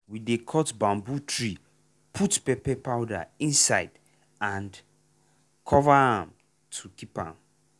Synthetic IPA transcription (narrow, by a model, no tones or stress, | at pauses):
widekʰɔtbãmbutʰɹi | pʰutpɛpɛpʰaʊda̰ĩnsaɪd | ãnd | kʰɔvahãm | tʰukipã̰m